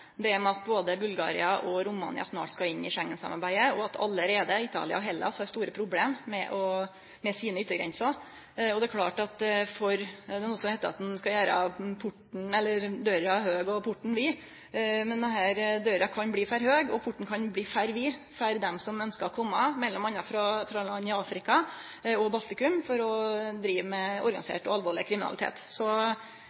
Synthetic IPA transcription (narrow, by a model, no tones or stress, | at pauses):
d̪ɛæmɛɑt̪̚boːd̪əbʉlɡɑ̰ːɾɪ̰ɑʔɔɾʊmɑ̰nɪ̰ɑ̰smɑ̰ːʈskɑɪnːɪʂæŋːənsɑ̰mɑɾbæɪəɔɑt̪ʰɑ̰lːəɾeːd̪əɪt̪ʰɑ̰ːlɪ̰ɑ̰ɔɦɛlːɑ̰sɔɑɾst̪uːɾəpʰɾʊbleːmːɛʔɔ | mɛsiːnəʏt̪ːəɡɾɛ̰nsɑ | ɔd̪ɛækʰlɑ̰ːʈɑt̪fɔɾd̪ɛnuːəsɔmhæɪt̪əɾɑ̰t̪̚d̪ɛnskɑjæːɾɑ̰pʰʊʈɳ̩ɛlːəɾd̪øɾɑhøːɡɔpʰʊʈːɳ̩ʋɪ | mɛnd̪ɛɦæːɾd̪øɾɑkʰɑnbliːfæːɾhøːɡɔpʰʊʈːɳ̩kʰɑnbliːfæɾʋɪː | fæɾd̪ɛmsɔmœnskəɾɔkʰɔmːɑmɛlːɔmɑnɑfɾɑfɾɑlɑnːɪɑːfɾɪkɑ | ɔbɑlt̪ɪkʉmfɔɾɔd̪ɾiːʋəmɛɔɾɡɑnɪsḛːʈɔɑlʋoːɭɪkʰɾɪmɪnɑ̰lɪt̪ʰḛːt̪sɔ